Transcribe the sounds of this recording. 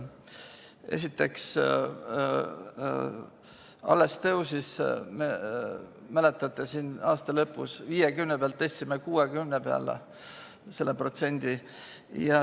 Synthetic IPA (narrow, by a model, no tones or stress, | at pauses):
e̞̰sit̪ːˑe̞ks | ɑ̰lːest̪ewsisme | mæle̞t̪ːˑɑt̪ːˑesiːnɑːst̪ɑlɤpːˑṵsviːjekymnepeɑlt̪ːesʲːimekuːekymnepeɑ̰lḛ | se̞lːepro̞t̪se̞nʲd̪̥i | jɑ